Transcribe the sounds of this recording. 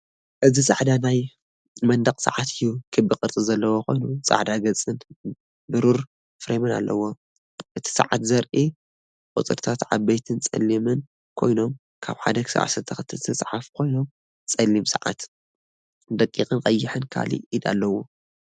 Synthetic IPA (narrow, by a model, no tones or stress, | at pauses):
ʔɨzisʼaʕd̪anaj | mɐnd̪ɐqʼsɨ̰ʕat̪ʰɨjːukʰɨbɨkʼɨɾt͡s̪ʼɨzɐlːɐwokʰo̞̰jnusʼa̰ʕd̪aɡɐt͡sʼːɨn | bɨɾuɾ | fɨɾemɨna̰lːɐwːo̞ | ʔɨt̪ʰi̥sɨ̰ʕat̪zɐɾʔi | kʼut͡sʼɨ̰ɾt̪ʰat̪ʕaβːɐjt̪ʰɨnt͡sʼɐ̰lːimɨn | kʰo̞̰jno̞m | kʰa̰βħa̰d̪ɐkʰɨ̥sa̰ʕa̰sɐt̪ʰɐxɨt̪ʰːɨlt̪ʰɨsʼħafkʰo̞jno̞m | t͡sʼɐlːimsɨʕa̰t̪ | d̪ɐkʼːixʼɨnqʼɐjːɪħɨnkʰa̰lḭid̪a̰lːɐwːo̞